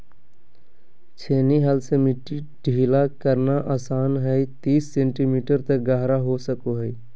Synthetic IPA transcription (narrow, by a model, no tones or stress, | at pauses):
t͡ʃʰeniɦəlsemiʈːi | ɖ̥ʱilakəɾnaʔaːsaːnɦəjt̪iːsːẽɳʈimiʈəɾt̪əɡəɦɾaɦosəkoɦəj